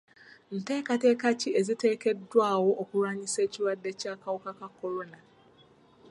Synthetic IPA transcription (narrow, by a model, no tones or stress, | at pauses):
n̩tɛkatɛkat͡ʃiezitʰekɛdwawɔʔɔkuɾaɲiset͡ʃiɾadɛt͡ʃiakawɔkakakʰɔɾona